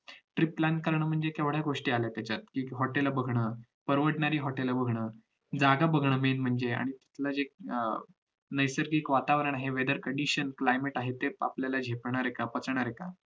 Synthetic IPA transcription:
ʈɾiplan̚kəɾɳəːm̤əɳd͡zekɛʋɽ̤jaɡoʂʈiːalajt̪jat͡ɕat̪̚kiːɦɔʈeləbəɡʱɳəːpəɾʋəʈɳaɾiːɦɔʈeləbəɡʱɳəː | d͡zaɡabəɡʱɳəmenm̤əɳd͡zea̰ɽ̃it̪at̪ʰlad͡ʑe | nəjsəɾɡiːkʋat̪aʋɾəɳaɦeʋed̪əɾkəɳɖiɕənklajmeʈaɦet̪ːea̰pljalad͡ʑʱepɳ̃aɾekapət͡səɳ̃aɾeka

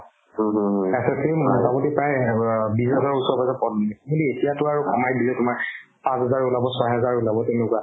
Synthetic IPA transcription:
ɛsɛsimtapɔtipɹajbisɛzaɹusɔɹpasɛpɔdɔamuldietijatʊaɹukʰɔmajdilɛtʊmaɹ | pãsɦɛzaɹulabɔsɔjɦɛzaɹulabɔtɛnʊkwa

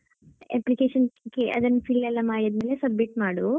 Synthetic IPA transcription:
ḛplikeːʃɐnkiɐ̰d̪ɐnpʰilɛlːaːmaːjɐd̪mɐlesɐbmiʈmaːɽu

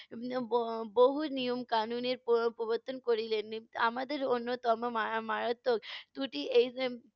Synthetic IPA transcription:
boɦunijomkanuneɾppoboɾt̪ʰːonkoɾilenia̰mad̪eɾonːot̪ɔmomamaɾat̪ːokt̪uʈiʔejse

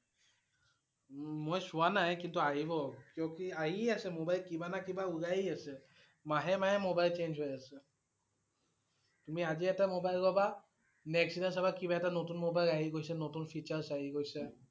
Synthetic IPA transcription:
mojsʊwanajkintuaɦibɔkijɔkiaɦiasɛmobajlkibanakibauɡaɦiasɛ | maɦɛmaɦɛmobajlt͡ʃenzɦojasɛ | tumiaziɛtamobajlkɔba | nɛksinasabakibaɛtanotunmobajlaɦiɡojsanotunpʰit͡ʃaɹsaɦiɡojsa

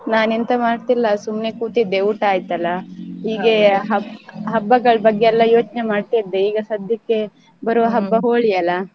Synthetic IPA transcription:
naːnent̪ɐmaːɽt̪ilːɐsumne̞kuːt̪id̪ːeuːʈaːjt̪ɐlːɐɦiːɡe̞ɦɐbɦɐbːɐɡɐɭɐbɐɡːeɛlːɐjoːt͡ʃnemaːɖ̚t̪aid̪ːe̞iːɡɐsɐd̪ʱjɐkːe̞ | bɐɾuʋɐɦɐbːɐɦoːɭijɐlːɐ

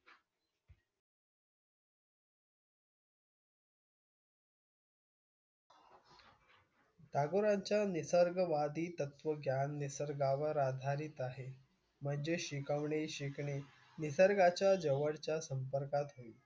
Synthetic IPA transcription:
d̪aɡoɾaɲt͡ɕjanisəɾɡəʋad̪iːt̪ət̪ʋəɡjanːisəɾɡaʋəɾad̪ʱaɾit̪aɦe | m̤əɳd͡zeɕikəʋɳeɕikɳe | nisəɾɡat͡ɕjad͡ʑəʋəɽt͡ɕjasəmpəɾkat̪ɦoi

